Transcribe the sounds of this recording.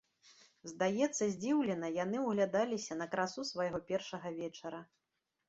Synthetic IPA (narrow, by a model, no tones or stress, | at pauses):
zd̪ajɛt̪sːɐzʲd͡zʲiwlʲɛnɐjan̪ɨwɣlʲad̪alʲisʲɐnɐkɾasusvɐjɣɔpʲɛrʂɐɣɐvʲɛt͡ʂɐɾɐ